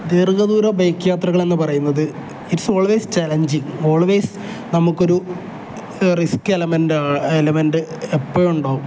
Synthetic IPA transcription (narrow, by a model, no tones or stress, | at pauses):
d̪irɡɐðuːɾɐbɐjkːjaːt̪rɐɣɐɭe̞nːɨpɐrɐjunːɐðɨ | iɾuso̞ːɭʋejst͡ɕaːlɐɲd͡ʑiŋo̞ːɭʋejsɨ̥ | nɐmukːo̞ɾu | riskːelɐmenɖaːelɐmenɖɨepːojuɳɖaːu